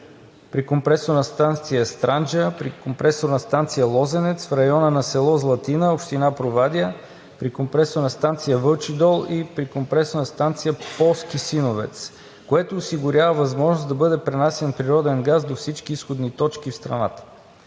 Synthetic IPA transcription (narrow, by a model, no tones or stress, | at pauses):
pɾikompɾɛsoɾnɐst̪ant̪sijəst̪ɾand͡ʒəpɾikompɾɛsoɾnɐst̪ant̪sijəlˠɔzɛnɛt̪sfɾɐjɔnənɐsɛlˠɔzlˠɐt̪inəopʃt̪inapɾovad̪ʲiə | pɾikompɾɛsoɾnɐst̪ant̪sijəvɤlˠt͡ʃid̪ɔlˠipɾikompɾɛsonəst̪ant̪sijəpɔlˠskisinovɛ̰t̪s | koɛt̪oːsiɡʊɾʲavəvɐzmɔʒnosd̪ɐbɤd̪ɛpɾɛnasɛnpɾiɾɔd̪ɛnɡazd̪ofsit͡ʃk̟iisxod̪nit̪ɔt͡ʃkifst̪ɾɐ̰na̰t̪ə̥